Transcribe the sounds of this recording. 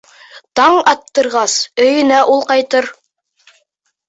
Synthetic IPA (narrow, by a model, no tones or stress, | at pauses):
t̪ɑɴɑt̪ːɤ̆ɾʁɑsɵ̆jɵ̆næʔulˠqɑjt̪ɤɾ